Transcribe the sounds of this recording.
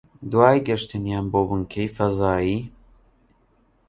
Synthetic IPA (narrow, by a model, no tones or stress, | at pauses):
d̪waːjɡɐʃt̪ʰɨnjaːnboːbɨŋkʰejfɐzaːjiː